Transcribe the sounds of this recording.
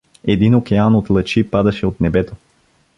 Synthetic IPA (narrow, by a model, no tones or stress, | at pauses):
ɛd̪inokɛanot̪lˠɐt͡ʃipad̪ɐʃɛot̪nɛbɛt̪o